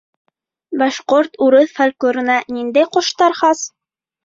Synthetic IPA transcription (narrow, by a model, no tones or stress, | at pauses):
bɑʃqoɾt̪uɾɤðfælʲklɵɾɤ̆nɑnind̪æjqŏʃt̪ɑɾχɑs